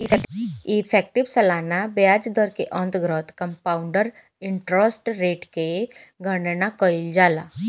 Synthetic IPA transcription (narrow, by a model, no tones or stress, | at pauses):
it̪ifɛk̚ʈiʋsəlanabjad͡zd̪əɾkeʔə̃nt̪ɡɾət̪kəmpauɳɖəɾ | iɳʈɾəsʈɾeʈke | ɡʱəɳnakəild͡zala